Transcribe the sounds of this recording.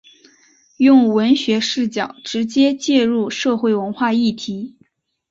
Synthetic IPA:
jʊ˥˩ŋwə˧˥nɕɥɛ˧˥ʂɻ̩˥˩t͡ɕjɑ˨˩ʊʈ͡ʂɻ̩˧˥t͡ɕjɛ˥t͡ɕjɛ˥˧ɻu˥˧ʂɤ˥˧xwe˥˩ɪwə˧˥nxwa˥˧i˥˩t̪ʰi˧˥

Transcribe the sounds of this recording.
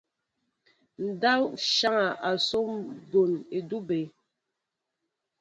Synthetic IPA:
n̩˨da˦wʃa˦ŋa˨ʔa˨so˦mbo˨ne˨du˦be˨

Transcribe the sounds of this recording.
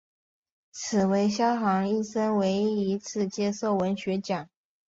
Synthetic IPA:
t͡sʰɹ̩˨˩we˧˥ɪɕjɑ˥ʊxɑ˧˥ŋi˥˩sə˥nwe˧˥ɪi˧˥t͡sʰɹ̩˥˩t͡ɕjɛ˥so˥˩ʊwə˧˥nɕɥɛ˧˥t͡ɕjɑ˨˩˦ŋ

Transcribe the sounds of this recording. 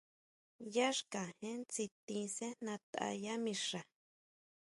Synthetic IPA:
ja˦ʂkã˨hẽ˦nt͡si˧t̪ĩ˧sẽ˦nã˧t̪a̰˧ja˦mĩ˧ʂa˨

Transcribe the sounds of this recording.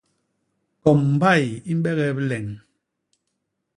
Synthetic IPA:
kɔ˨mm̩˨ba˦˨ji˦m̩˦ɓɛ˦ɣɛ˨bi˦lɛ˨ŋ

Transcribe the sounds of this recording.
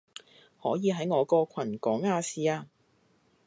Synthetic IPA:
hɔː˨˥jiː˨˧ɦɐ˨˥jŋɔː˨˧kɔː˧kʷʰɐ˨˩nkɔː˨˥ŋaː˧siː˧aː˧

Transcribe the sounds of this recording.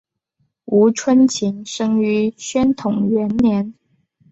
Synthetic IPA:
u˧˥ʈ͡ʂʰwə˥nt͡ɕʰi˧˥ŋʂɤ˥ŋy˧˥ɕɥɛ˥nt̪ʰʊ˨˩ŋɥɛ˧˥nljɛ˧˥n

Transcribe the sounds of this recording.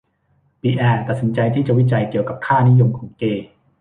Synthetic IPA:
biː˧ʔɛː˧t̪a˨t̪̚si˩˦nt͡ɕa˧jt̪ʰiː˥˩t͡ɕa˨˩wi˦˥t͡ɕa˧jki˨˩əwka˨˩p̚k̪ʰaː˥˩ni˦˥jo˧mkʰɔː˩˦ŋkeː˧

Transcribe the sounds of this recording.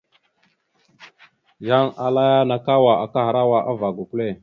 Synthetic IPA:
ja˦ŋa˨la˦ja˦na˨ka˦wa˨a˨ka˦ha˨ɾa˦wa˦ʔa˦va˨ɡu˨ku˦le˦˨

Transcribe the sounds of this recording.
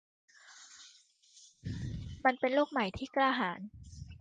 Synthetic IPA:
ma˧npe˧nluː˥˩k̚ma˨˩˦jt̪ʰiː˥˩klaː˧ɦaː˩˦n

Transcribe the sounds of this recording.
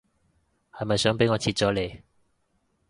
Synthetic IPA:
hɐ˨jmɐ˨jsœː˨˥ŋp̬e˨˥jŋɔː˨˧t͡sʰiː˧t̚t͡sɔː˨˥le˨

